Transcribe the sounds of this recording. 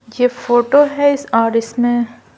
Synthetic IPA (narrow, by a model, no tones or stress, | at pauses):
jeːfoːʈoɦɛɪsaːɾɪsmẽ